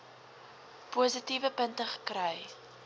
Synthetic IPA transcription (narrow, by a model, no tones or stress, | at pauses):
puːzətivəpəntəχə̥krɐɛj